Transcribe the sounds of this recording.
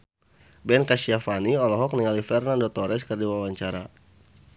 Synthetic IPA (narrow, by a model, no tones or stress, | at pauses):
bɛnkaʃiafaniɔlɔɦɔk̚niŋalifɛrnandɔt̪ɔɾɛskərdiwawaɲt͡ʃaɾa̰